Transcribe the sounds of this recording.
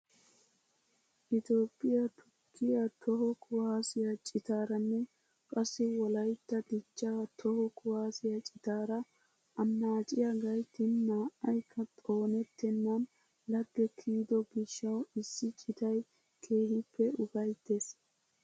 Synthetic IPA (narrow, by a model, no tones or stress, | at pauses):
ʔɪt̪o̞ːpʼːɪjɐt̪ʰʊkʰːɪjat̪ʰɔɦɔkʰʊwaːsɪjat͡ʃʼɪt̪aːɾɐnːɛ | kʼɐsːɪwɔlɐjt̪ːɐd̪ɪt͡ʃːat̪ʰɔhɔkʰʊhaːsɪjɐt͡ʃʼɪt̪aːɾɐ | ɐmːaːt͡ʃʼɪjaɡɐjt̪ːɪnːaːʔɐjkʰːɐt̪ʼo̞ːnɛt̪ːɛnːɐn | lɐɡːɛkʰiːd̪ɔɡɪʃːɐwɪsːɪt͡ʃʼɪt̪ɐj | kʰe̞ːhɪpʰːɛʊbɐjt̪ːes